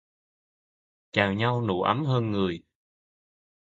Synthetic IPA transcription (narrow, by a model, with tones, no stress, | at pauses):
t͡ɕaː˨˩wɲa˧wnṵ˧˩˦ʔə˨˦mɦəː˧nŋɨ˨˩əj